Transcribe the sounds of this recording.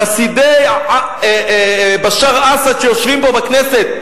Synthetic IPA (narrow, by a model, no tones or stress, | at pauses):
asid̪ej | baʃaʁasadʃejoʃvimbo̞bakneset̪̚